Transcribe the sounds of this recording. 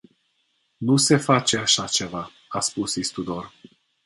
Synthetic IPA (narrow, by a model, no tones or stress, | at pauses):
nuse̞fat͡ʃe̞aʃat͡ʃe̞va | aspusist̪ud̪o̞r